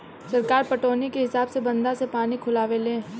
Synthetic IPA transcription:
sɐɾkaːɾpɐʈoːnikeɦɪsaːbsebɐ̃nd̪asepaːnikʰʊlaːʋelẽː

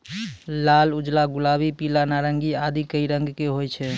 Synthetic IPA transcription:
lalud͡ʒlaɡulabipilanaɾəŋɡiad̪ikəiɾəŋɡkeɦojt͡ʃʰɛ

